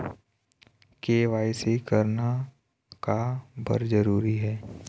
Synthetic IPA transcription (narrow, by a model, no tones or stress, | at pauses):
keːʋaːisekəɾna | kabə̰ɾd͡ʒəɾuːɾiɦɛː